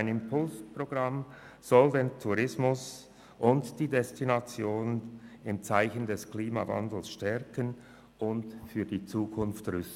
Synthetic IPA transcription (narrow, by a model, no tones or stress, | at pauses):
ɪnɪmpʰʊlspʁoɡ̥ʁɑm | z̥ɔldeːntʰuʁɪsmʊs | ʔʊntd̥iːdɛstinat͡sjoːnənɪmt͡saɪçəndɛskliːma̰vɑ̰ndl̩sʃtɛʁkən | ʊntfyːɐdiːt͡suːkʰʊnftʁʏst